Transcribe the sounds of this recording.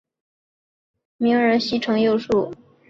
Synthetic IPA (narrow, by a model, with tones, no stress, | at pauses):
mi˧˥ŋə˧˥ɕi˥ʈ͡ʂʰɤ˧˥ŋjo˥˧ʊʂu˥˩